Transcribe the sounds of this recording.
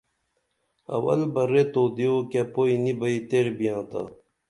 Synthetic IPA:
ɐ̰wɐ̰lbɐɾet̪oːd̪ioːkepoːinibɐit̪eɾbijãːt̪a̰

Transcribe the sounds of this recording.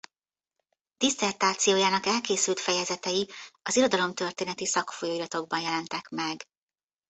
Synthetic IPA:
d̪̥isɛrt̪aːt̪sijoːjaːnɒkɛlkeːsylt̪fɛjɛzɛt̪ɛjiɒziɾo̞d̪ɒlo̞mt̪ø̞rt̪eːnɛt̪isɒkfojoːiɾɒt̪o̞ɡ̚bɒnjɛlɛnt̪ɛkmɛɡ

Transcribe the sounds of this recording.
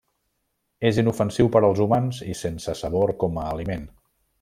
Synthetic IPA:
ezinufənsiwpəɾəlˠzumanzisensəsəβ̞oɾkɔməːlimen

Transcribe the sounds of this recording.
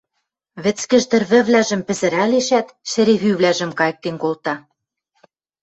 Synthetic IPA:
βɘ̆t͡skɘ̆ʒt̪ɘ̆rβɘ̆βlæʒɘ̆mpɘ̆zɘ̆ɾæleʃæt̪ʃɘ̆ɾeβyβlæʒɘ̆mkɑjɤ̆k̚t̪enkolt̪ɑ

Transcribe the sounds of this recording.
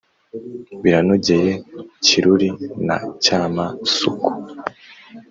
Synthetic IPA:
biɾanoɟe̞je̞ciɾuɾina̰caːmasuku̥

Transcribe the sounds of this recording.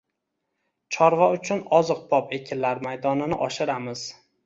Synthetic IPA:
t͡ʃʰɒɾvɒʊt͡ʃʰʊnɒzɨq̚bɒpe̞kʲʰɪnlaɾmajd̪ɒnɪnɪʔɒʃɪɾamɪz̥

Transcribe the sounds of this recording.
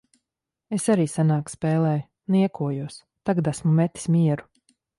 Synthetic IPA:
esaɾiːsanaːkspɛːlˠɛːj | niɛkuɔjuɔs | t̪aɡad̪asmumɛt̪i̥smʲiɛɾu

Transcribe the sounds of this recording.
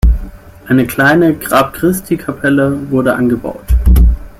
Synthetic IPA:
ʔaɪnəkl̥aɪnəɡʁaːpkʁ̥ɪstʰikʰapʰɛləvʊɐdəʔa̰nɡəba̰ʊt

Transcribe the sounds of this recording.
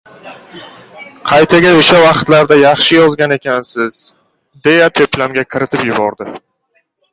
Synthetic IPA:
qʰɑjt̪ʰaɡʲaoʃavɑqt̪laɾd̪ajɑχʃɪjɒzɡʲane̞kʲʰansɪz̥ | d̪e̞jat̪ʰoplamɡʲakʲʰɪɾɪt̪ʰɪpjʊbɒɾd̪ɪ

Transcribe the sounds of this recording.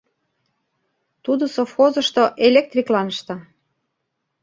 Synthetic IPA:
t̪ud̪ŏsofxozə̆ʃt̪oʔelʲek̚t̪rʲiklɑnəʃt̪ɑ

